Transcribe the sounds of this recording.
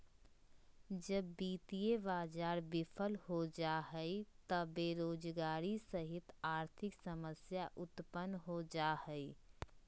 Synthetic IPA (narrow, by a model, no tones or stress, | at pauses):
d͡ʒəbːiːt̪ieʋaːd͡ʒaːɾbɪpʰəlhod͡ʒaɦɛit̪əbeːɾoːd͡ʒɡaːɾisəɦɪt̪aːɾt̪ʰɪksəməsjaʔʊt̪pənɦod͡ʒaːhɛi